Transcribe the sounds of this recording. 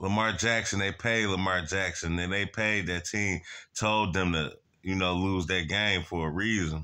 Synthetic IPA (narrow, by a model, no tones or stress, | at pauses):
ləmɑɹd͡ʒæksɨ̃n̩ðeɪpʰeɪdˡləmɑɹd͡ʒæksɨ̃nɨ̃nðeɪpʰeɪd̪̚ðɨtʰĩmtʰoʊlˠd̪̚ðɨ̃mtʰɨ | jɨnoʊluzðɨɡ̥ẽɪ̃ɱfə˞əɹizə̃n